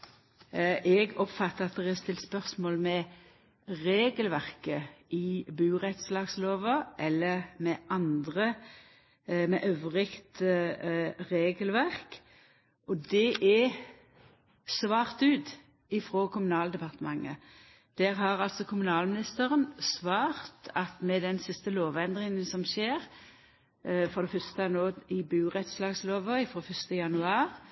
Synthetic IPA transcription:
ʔɛɡɔpfɑt̪ːəʁɑt̪̚dəɛɛst̪ɪlt̪spœʁsmoːlmɛ | ʁeːɡəlʋæʁkəɪbʉːʁɛt̪slɑːɡsloːʋəʔɛlːəmɛʔɑnd̪ʁə | mɛʔœʋəʁɪkt̪ | ʁeːɡəlʋæʁk | ʔɔd̪ɛʔɛ | sʋɑːʁt̪ʉːt̪ | ɪfʁoːkʰʊmʉnɑːləd̪ɛpɑʁt̪əmɑŋːə | d̪̥æːʁɦɑɾɑlsɔkʰʊmʉnɑːlmɪnɪst̪əʁənsʋɑːʁt̪ʰɑt̪mɛd̪ɛnsɪst̪əloːʋɛnd̪ʁɪŋənsɔmʃeːʁ | fɔd̪ɛfœst̪əænoːɪbʉːʁɛt̪slɑːɡsloːʋəɪfɾoːfœst̪əjɑnʉɑːɾ

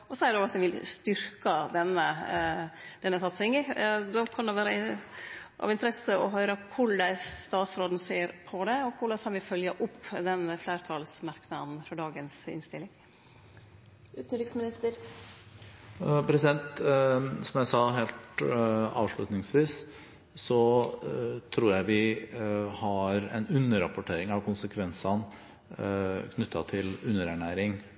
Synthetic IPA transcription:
ɔsɔæɾɖɛɔɡɑt̪ʋɛʋɪlst̪ʏɾkɑd̪ɛnːə | d̪̥ɛnːəsɑt̪sɪŋəd̪ɔkʰɑnd̪ɛʋæːɾə | ʔɑ̰ʋɪnt̪əɾɛsəɔɦœʏɾəkʰʊɭːæɪst̪ɑːt̪sɾoːd̪n̩seːɾpʰɔd̪ɛɔkʰʊɭɑskʰɑnʋɪfœljəʔʊpːd̪ɛnfleːɾt̪ʰɑlsmɑɾknɑd̪n̩fɾɔɖɑːɡənsɪ̰nst̪ɪlːɪŋ | ʉːt̪n̩ɾɪksmɪnɪst̪əɾ | pʰɾɛsɪd̪ɛnt̪ | sɔmjæɪsɑːɦeːlt̪ɑ̰ːʋʂɭʉt̪nɪŋsʋiːs | sɔ | t̪ʰɾuːɾjæɪʋɪ | hɑɾɛ̰nʉnːəɾɑpʊʈʰeːɾɪŋɑʋkʰʊnsəkʰʋɛnsɑn | kʰnʉt̪ʰːɑt̪ʰɪlʉnːəɾæɳæːɾɪŋ

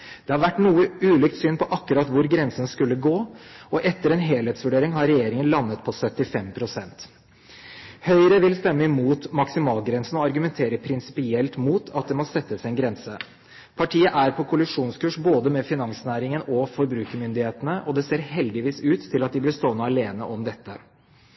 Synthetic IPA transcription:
d̪̥ɛhɑɾʋæʈːnuːəʉːliːk̚t̪syːnpɔʔɑkːʉɾɑt̪ʋʊɾɡɾɛnsənskʉlːəɡoːɔʔɛt̪ːəɾɛnɦeːleːt̪sʋʉɖeːɾɪŋɦɑɾɛjeːɾɪŋənlɑnːət̪pʰɔsœt̪ːɪfɛmpʰɾʊsɛnt̪ | hœʏɾəʋɪlst̪ɛmːəɪmuːt̪mɑksɪmɑːlɡɾɛnsən̩ɔɑɾɡʉmɛnt̪ʰeːɾəpʰɾɪnsɪ̥pɪɛlt̪muːt̪ʰɑt̪̚d̪ɛmɔsɛt̪ːəsɛnɡɾɛnsə | pʰɑʈʰiːəʔæɾpʰɔkʰʊlɪʂuːnskʉːʂboːd̪əmɛfɪnɑŋsnæːɾɪŋənɔfɔɾbɾʉːkəmʏnd̪ɪheːt̪ənəʔɔd̪ɛseːɾhɛld̪ɪʋiːsʉːt̪ʰːɪlɑt̪̚d̪ɪblɪɾst̪oːnəɑleːnə̰ʔɔmd̪ɛt̪ːə

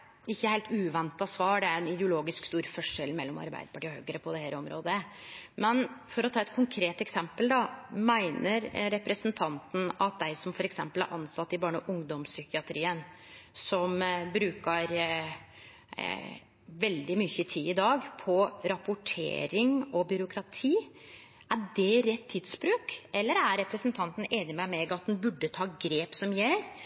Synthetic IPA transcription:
ɪçːəhæɪlt̪ʉːʋɛnt̪ɑsʋɑːɖɛæɾɛnɪd̪əʊloːɡɪskst̪uːɾfɔʂːɛlmɛlːɔmɑ̰ɾbæ̰ɪd̪ə̥pɑʈiːɔhøːɡəɾəpʰɔd̪ɛhæːɾɔmɾo̰ːd̪əmɛnfɔɾɔt̪ʰɑːɛt̪̚kʰʊŋkʰɾeːt̪ɛksɛmpəld̪ɑmæɪnəɾɾɛpɾəsənt̪ʰɑnt̪n̩ɑt̪̚d̪æɪsɔmfɔɾɛksɛmpəlæ̰ɾʔɑnsɑt̪ːɪbɑːɳəʔʊŋd̪ɔmsʏçɪɑt̪ʰɾiːən | sɔmbɾʉːkəɾ | ʋɛld̪ɪmʏçət̪ʰiːɪd̪ɑːɡpʰɔɾɑpʊʈʰḛːɾɪŋɔbʏɾʊkʰɾɑt̪ʰiː | æɖɛɾɛt̪ʰːiːd̪sbɾʉːkɛlːəɾæɾɾɛpɾəsnt̪ʰɑnt̪n̩eːnɪmæɪmɛɡɑt̪̚d̪nbʉɖːət̪ʰɑːɡɾeːpsɔmjæɾ

